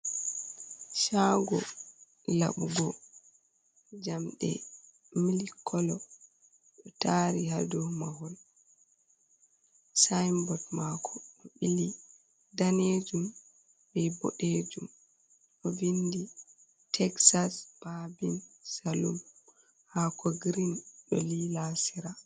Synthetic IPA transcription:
ʃaɡɔ | la̰ɓuɡɔ | d͡ʒamɗɛ̰ | milikʰːɔlɔ | ɗɔtaɾihadɔmahɔl | sajmbɔtmakʰɔɗɔɓili | daned͡ʒum | bɛbɔ̰ɗed͡ʒum | ɗɔvindi | tʰɛksasb̥abinsalum | hakɔɡɾinɗɔ̰lilasiɾa

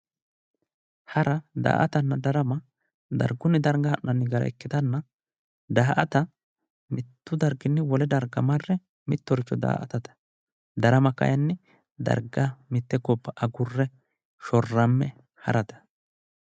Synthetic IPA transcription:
hɐɾɐd̪a̰ːʔɐt̪ɐnːɐd̪ɐɾɐmɐ | d̪ɐ̰ɾɡʊnːɪd̪ɐɾɡɐhɐʔnɐnːɪɡɐɾɐ̰ɛkːɪt̪ɐnːɐ | d̪aːʔɐt̪ɐ | mɪt̪ːʊd̪ɐɾɡɪnːɛwɔlɛd̪ɐɾɡɐmɐrːɛ | mɪt̪ːɔɾɪt͡ʃːɔd̪a̰ːʔɐ̰t̪ɐt̪ɐ̥ | d̪ɐɾɐmɐkɐ̰jɐnːɛ | d̪ɐ̰ɾɡɐmɪt̪ːɛɡɔbːɐʔɐɡʊrːɛ | ʃɔrːɐmːɛ | hɐ̰ɾɐt̪ɐ̥

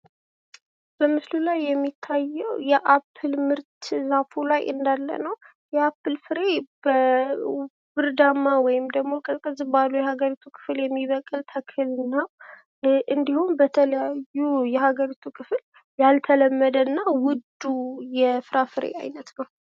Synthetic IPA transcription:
b̥əmɨslulajːɛmːit̪ʰːajːɛwjɛʔapʰːɨlmɨɾt̪ʰzafulajʔɨ̰nd̪alːə̰nəw | jɛapːɨlfɨɾe̞b̥ə | bɨɾd̪amːawɔjɪmd̪əɡmo̞kʼət̪ʼkʼəzɨbalujɛhaɡəɾit̪ʰukʰɨ̥fljɛmːiβəkʼɨlt̪ʰəkʰɨlɨnːaw | ʔɨnd̪ihumbət̪ʰələjajːujɛhaɡəɾit̪ʰukʰɨfɨl | jalt̪ʰələmːəd̪ənːawʊd̪ːujɛfɨɾafɨɾḛʔa̰jnət̪nəw

